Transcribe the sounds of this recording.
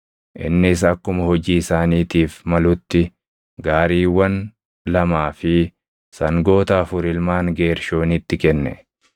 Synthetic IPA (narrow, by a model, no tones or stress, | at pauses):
ʔɪ̰nːɪs̬ɐkːʊmɐhɔd͡ʒiːɪsaːniːt̪iːfmɐlʊt̪ːɪ | ɡaːɾiːwɐn | lɐmaːfɪ | sɐŋɡo̞ːt̪aːfʊɾɪlmaːŋɡe̞ːɾʃo̞ːnɪt̪ːɪkɛnːɛ̰